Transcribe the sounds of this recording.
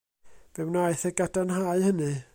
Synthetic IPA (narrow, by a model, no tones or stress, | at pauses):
v̥ɛwnajθɛɡadanɦaɨhənɨ